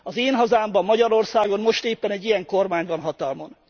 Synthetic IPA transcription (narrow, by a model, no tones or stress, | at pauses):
ɒzeːnɦɒzaːmbɒmːɒɟɒɾo̞rsaːɡo̞nmmo̞ʃt̪eːpːɛnɛɟːijɛŋko̞rmaːɲvɒnɦɒt̪ɒlmo̞n